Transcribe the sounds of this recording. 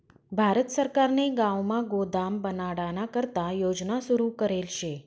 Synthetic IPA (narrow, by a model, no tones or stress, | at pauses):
bʱaɾət̪səɾkaɾneɡãʋmãɡod̪ambənaɽanakəɾt̪ajod͡ʒnasuɾukəɾelʃe